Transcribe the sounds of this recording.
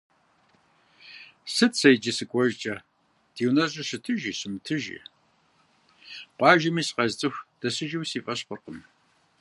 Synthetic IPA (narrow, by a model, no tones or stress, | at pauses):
sɨtsɐjd͡ʒisɨkʷʼɔʒt͡ʃʼɐ | d̥iːwnɐɕʼɐɕɨtʰɨʒiːɕɨmtʰɨʒḭ | pʷʼɑːʒɐmiːsqɐzt͡sʼɨxʷd̥ɐsɨʒiwsiːfʼɐɕqərqəm